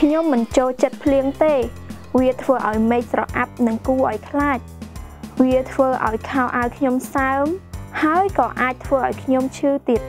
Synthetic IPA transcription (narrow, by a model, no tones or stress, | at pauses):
kʰɲomːɨnt͡ɕoːlt͡ɕət̪̚pʰliəŋt̪eː | ʋiət̪ʰʋəːʔaɔjmeːk̚srɑʔap̚nɨŋkuːʔa̰ɔjkʰlaːc̚ | ʋiət̪ʰʋəːʔa̰ɔjkʰaɔʔaəjkʰɲomsaəmhaəjkɑːʔaːc̚t̪ʰʋəːʔaɔjkʰɲomt͡ɕʰɨːt̪iət̪̚